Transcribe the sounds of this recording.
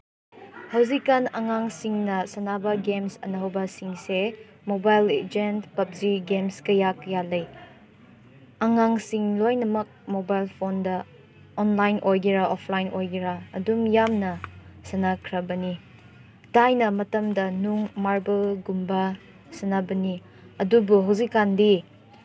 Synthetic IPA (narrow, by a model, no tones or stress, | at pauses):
hɐwzikːanɐŋaŋsiŋnɐsɐnabɐɡemsɐ̰nɐɦɐwbɐsiŋse | mobajled͡ʒentpɐp̚ziɡemskɐjak̚jalɐj | ɐŋaŋsiŋlojnɐmɐk̚mobajlpʰondɐ | ɔnlajnʔojɡiɾaʔɔpʰlajnojɡiɾaːdumjamnɐsɐnakʰɾɐbɐni | dajnɐmɐtɐmdɐnuŋmaɾbelɡumbɐ | sɐnabɐni | ɐdubuɦawzikːandi